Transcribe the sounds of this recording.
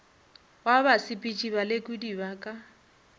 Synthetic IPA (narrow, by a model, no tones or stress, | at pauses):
wabasipʼit͡ʃʼiβalekʼudibakʼa